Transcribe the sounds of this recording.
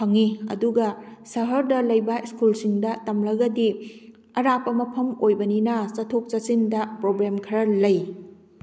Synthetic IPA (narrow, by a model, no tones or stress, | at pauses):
ɐŋiɐ̰duɡɐsɐɦɐɾdɐlɐjbɐiskulsiŋdɐtɐmlɐɡɐdi | ɐɾapɐmɐpʰɐmojbɐninɐt͡ʃɐtʰok̚t͡ʃɐsindɐpɾobɾemkʰɐɾɐlɐj